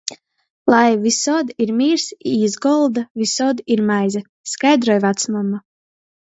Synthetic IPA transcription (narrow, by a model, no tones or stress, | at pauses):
lˠajvisɔd̪iɾmʲiːɾsiːzɡɔlˠd̪avisɔd̪iɾmajzɛ | skajd̪ɾɔjvat̪smamːa